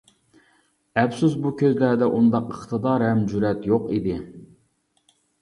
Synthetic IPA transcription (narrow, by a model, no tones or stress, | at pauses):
ɛpsusbukʲʰøzlæɾd̪ɛʔund̪ɑqəχt̪ʰɨd̪ɑɾɛmd͡ʒuɾɛt̪joqid̪ɪ